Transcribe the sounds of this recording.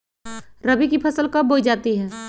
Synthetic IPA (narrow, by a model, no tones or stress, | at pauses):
ɾɐbikipʰɐsəlkaboːid͡ʒaːt̪iɦɛː